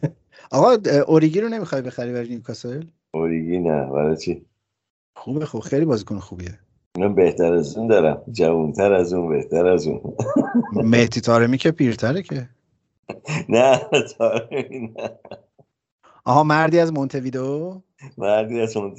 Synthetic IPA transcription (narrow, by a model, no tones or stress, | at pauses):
ʔɒɣɒʔoɾiɡiːɾone̞mixɒjbe̞xæɾibæɾinikʰɒsel | oɾiɡinæ̰bæ̰ɾɒjt͡ʃʰi | xubexobxejlibɒːzikʰonxuːbie | inambe̞ht̪ʰæɾæzund̪ɒːɾæ̰md͡ʒævunt̪ʰæɾæzunbeht̪ʰæɾæzṵn | meht̪ʰit̪ʰɒːɾemiːcʰepʰiːɾt̪ʰæɾecʰe | næt̪ʰɒːɾeminæ | ʔɒ̰ɦɒːmæɾd̪iːæzmont̪ʰe̞viːd̪o | mæɾd̪iːæzmont̪